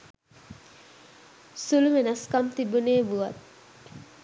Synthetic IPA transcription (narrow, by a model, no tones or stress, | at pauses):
suluʋenaskamt̪ibuneːbuʋat̪̚